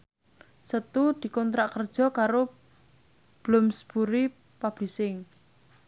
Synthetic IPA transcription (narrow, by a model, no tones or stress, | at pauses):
sət̪ud̪̥i̤kɔnt̪ɾaʔkərd̥ʒ̥ɔ̤kaɾo | b̥lʊmsb̥uɾi | pab̥lisɪŋ